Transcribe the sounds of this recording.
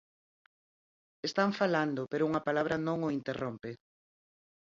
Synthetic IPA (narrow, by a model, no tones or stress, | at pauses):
est̪aɱfaland̪opeɾʊuŋɐpalaβ̞ɾɐnõŋoint̪erʔompe